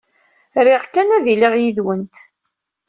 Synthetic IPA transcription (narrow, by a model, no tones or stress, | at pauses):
ɾɪʁkːænæðiliʁjiðwənt̪